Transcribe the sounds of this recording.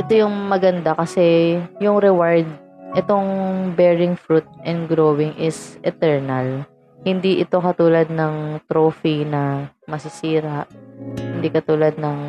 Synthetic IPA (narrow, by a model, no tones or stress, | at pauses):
ʔɛt̪ojʊŋmɐɡɐnd̪akɐsɛjʊŋɾɛwaɹd̪̚ | ʔɛt̪o̞ŋbɛɹɪŋfɾut̪̚ʔɛnd̪̚ɡɾowɪŋʔɪsʔɛt̪ɛɹnɐl | hɪnd̪iʔɪt̪o̞kɐt̪uːlɐd̪̚nɐŋt̪ɾoːfinɐ | mɐsɪsiːɾaʔhɪnd̪ikɐt̪uːlɐd̪̚nɐŋ